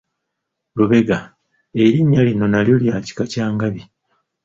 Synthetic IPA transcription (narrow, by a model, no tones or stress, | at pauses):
luβe̞ɡa | eɾiɲːalino̞naljo̞ljaːci̥kacaːŋɡaβi